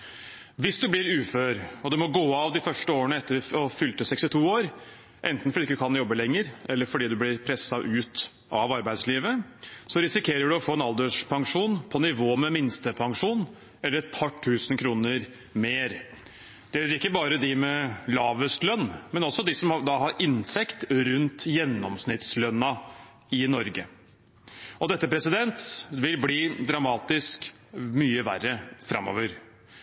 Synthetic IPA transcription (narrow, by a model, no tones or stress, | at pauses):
ʋɪsd̪ʉblɪɾʉːføːɾɔd̪ɛmɔɡoːɑʋd̪ɪfœʂʈəoːɾəɳəɛt̪ːəɾɔfʏlt̪əsɛkst̪ɪt̪ʰuːoːɾ | ʔɛnt̪n̩fɔɖiɪk̪ːəkʰɑnjɔbːəlɛŋːəɾʔɛlːəɾfɔɖiːd̪ʉblɪɾpʰɾɛsɑʔʉːt̪ | ʔɑʋɑɾbæɪd̪sliːʋəsɔɾɪsɪkʰeːɾəɖʉɔfoːɛnɑld̪əʂpʰɑŋʂuːnpʰɔnɪʋoːmɛmɪnst̪əpʰɑŋʂuːn | ɛlːəɾɛt̪̚pʰɑʈʰːʉːsnkʰɾuːnəɾ | meːɾ | d̪̥ɛɾɪkːəbɑːɾəd̪ɪmɛlɑːʋəst̪lœnːmɛnɔsːɔd̪ɪsɔmɑd̪ɑɦɑɾʔɪnt̪ʰɛkt̪ɾʉnt̪jɛnːɔ̰msnɪt̪slœnːɑ | ɪnɔɾɡə | ɔd̪ɛt̪ːəpʰɾɛsɪd̪ɛnt̪ʋɪlbliːd̪ɾɑmɑːt̪ɪsk | myːəʋæ̰rːəfɾɑ̰mːɔ̰ːʋəɾ